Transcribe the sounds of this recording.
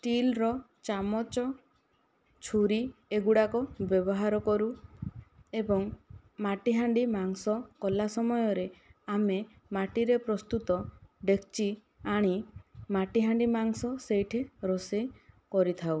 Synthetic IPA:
ʈilɾɔ | t͡ʃamɔt͡ʃɔ | t͡ʃʰuɾieɡuɽakɔbjɔbɔɦaɾɔkɔɾu | ebɔŋ | maʈiɦaɳɖimaŋsɔkɔlasɔmɔjɔɾeame | maʈiɾepɾɔst̪ut̪ɔɖekʰt͡ʃi | aɽ̃imaʈiɦaɳɖimaŋsɔsejʈʰiɾosekɔɾit̪ʰaw

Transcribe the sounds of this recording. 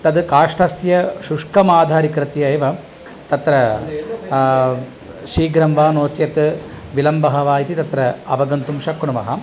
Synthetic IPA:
t̪ɐd̪kaːʂʈʰɐsjɐʃuʂkɐmaːd̪ʱaːɾikɾɨt̪jɐeːʋɐ | t̪ɐt̪ɾɐ | ʃiːɡɾɐmʋaːnoːt͡ʃjɐt̪ | ʋilɐmbɐɦɐʋaːjit̪it̪ɐt̪ɾɐɐbɐɡɐnt̪umʃɐkːuɳɐʋɐɦɐ̰

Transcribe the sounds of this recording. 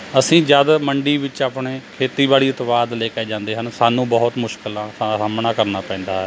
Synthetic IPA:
əsĩːd͡ʒəd̪məɳɖiːʋɪt͡ʃaːpɳeːkʰeːt̪iːbaːliːɪt̪ʋaːd̪leːkaeːd͡ʒãːnd̪eːɦənsaːnũːbəɦʊt̪mʊʃkəlãːsaɾaːmnaːkəɾnaːpɛ̃ːnd̪aːɦɦɛ

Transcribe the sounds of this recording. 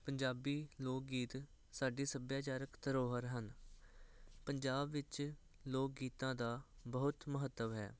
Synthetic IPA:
pəɲd͡ʒaːbiːloːk̚ɡiːt̪ | saːɖiːsəbjaːt͡ʃaːɾəkt̪əɾoːɦəɾɦən | pəɲd͡ʒaːbʋɪt͡ʃ | loːk̚ɡiːt̪ãːd̪aːbəɦʊt̪məɦət̪ːəʋɦɛ̰ː

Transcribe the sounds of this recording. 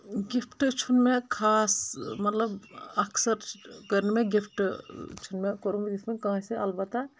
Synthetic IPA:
ɡipʰʈːt͡ʃʰunmekʰaːsmɐt̪lɐbɐkʰsəɾkəɾnemeɡipʰʈːt͡ʃʰunmekoɾumiɡ̪it̪mekãseɐ̰lbat̪ːa

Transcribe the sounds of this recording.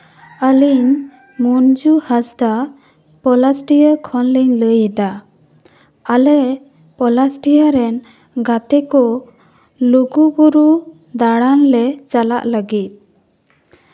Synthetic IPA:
əliɲ | mund͡ʒuhasd̪a | pɔlasʈijəkʰɔnliɲləjɛd̪a | alɛɾɛ | pɔlasʈijəɾɛn | ɡat̪ɛkɔ | luɡubuɾu | d̪aɽanlɛt͡ʃala̰ʔləɡit̪̚

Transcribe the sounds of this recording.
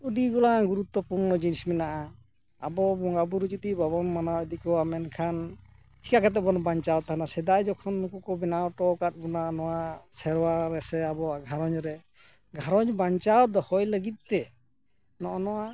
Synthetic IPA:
udiɡɔlaɡuɾut̪ːɔpuɾnɔd͡ʒinsminaʔa | a̰bɔbɔŋɡabuɾd͡ʒut̪ibɔbɔnmanaɛd̪ikɔwamɛnkʰan | t͡ʃʰi̥kakat̪̬ɛbɔnɔbaɲt͡ʃawt̪ʰanasɛd̪ajd͡ʒɔkʰɔnːukɔkɔbɛnawʈɔkat̪̚ˀbɔnanɔwasɛɾwaɾɛsɛabɔaɡʱaɾɔɲɾɛ | ɡʱaɾɔɲbaɲt͡ʃawd̪ɔhɔjləɡit̪̚ˀt̪ɛ | nɔʔɔnɔwa

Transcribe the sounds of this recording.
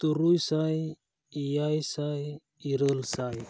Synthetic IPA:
t̪uɾujsaj | ijajsaj | iɾəlsaj

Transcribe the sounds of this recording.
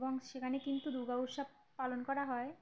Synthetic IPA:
boŋʃekʰanekint̪uɾuɡauʃab | palonkɔɾaɦɔe

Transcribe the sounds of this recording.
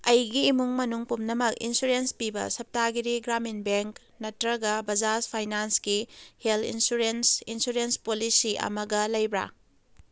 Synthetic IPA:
ɐjɡiːmuŋmɐnuŋpumnɐmɐkḭnsuɾenspibɐ̰sɐp̚taɡiɾiɡɾaminbeŋk | nɐtɾɐɡɐbɐd͡ʒaspʰajnansɡiheltḭnsuɾensinsuɾenspolisiɐ̰mɐɡɐlɐjbɾa̰

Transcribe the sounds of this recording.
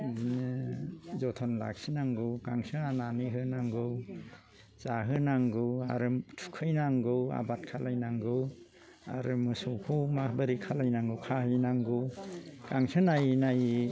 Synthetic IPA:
dinɯzɔtʰɔnla̰k̚sinaŋɡɯwkaŋsɯananiɦɯnaŋɡɯw | t͡ʃaɦɯnaŋɡɯwa̰ɾɯmtʰu̥kʰɯjnaŋɡɯwa̰bat̚kʰalajnaŋɡɯw | a̰ɾɯmɯsɔkʰumabaɾikʰalajnaŋɡɯwkʰahɯjnaŋɡɯwkaŋsɯnajnaji

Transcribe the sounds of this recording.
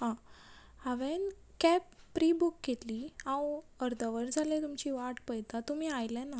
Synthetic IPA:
ɦã | aʋen | kɛpːɾibukːet̪liãwəɾd̪əʋəɾd͡zʱalẽt̪umt͡ɕiʋaʈpəjt̪at̪um̤iːajlɛna

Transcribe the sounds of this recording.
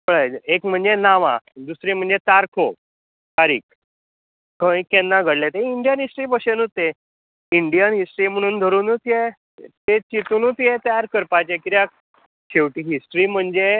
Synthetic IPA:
kəɭaekm̤əɳd͡zenaʋãd̪usɾim̤əɳd͡zet̪aɾkʰo | kaɾḭːk | kə̃ikenːaɡʱəɽlet̪eiɳɖijənɦisʈɾiːpəɕenut̪e | iɳɖijənɦisʈɾiːm̤əɽ̃uːnd̪ʱəɾuːnut̪ʰje | t̪et͡ɕit̪uːnut̪ʰjet̪jaɾkəɾpat͡ɕekiɾja | kʰeʋʈiːɦisʈɾiːm̤əɳd͡ze

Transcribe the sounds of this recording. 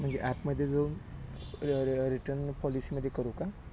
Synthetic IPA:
m̤əɳd͡zeʔæpməd̪ʱːjed͡zauːn | ɾiʈəɾnpɔlisiːməd̪ʱːjekəɾuka

